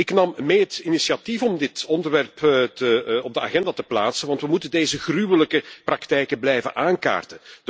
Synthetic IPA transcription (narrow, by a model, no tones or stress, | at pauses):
ɪknɑmːeːɦətinisiatifɔmdɪtɔndərʋɛrptəɔb̚dəa̰ɣɛndaːtəplaːtsənʋɑntʋəmutəndeːzəɣrywələkəprɑktɛjkəblɛjvə̰nʔaːnka̰ːrtən